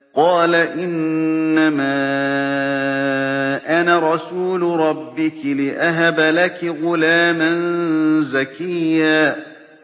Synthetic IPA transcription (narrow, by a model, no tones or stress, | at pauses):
qɑːlaʔɪnːamaː | ʔanaɾˤɑsuːlʊɾˤɑbːɪkɪlɪʔaɦabalakɪɣʊlaːmanzakɪjːaː